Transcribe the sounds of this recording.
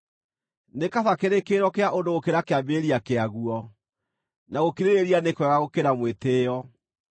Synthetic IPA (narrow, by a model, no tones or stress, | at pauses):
nekaðakeɾekeɾɔkeaʔondoɣokeɾakeambeɾiakeaɣuɔ | naɣokiɾeɾeɾianekwɛɣaɣokeɾamweteːjɔ